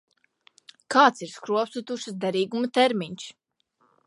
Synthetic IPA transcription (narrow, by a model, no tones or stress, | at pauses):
kaːt̪siɾskɾuɔpsut̪uʃsd̪ɛɾiːɡumɐt̪ɛɾmiɲs